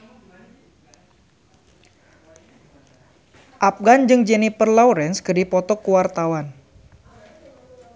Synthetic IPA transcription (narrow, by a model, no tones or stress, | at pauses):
ʔap̚ɡand͡ʒɨŋd͡ʒɛnipərlɔwɾɛnskədipɔt̪ɔkuwart̪awan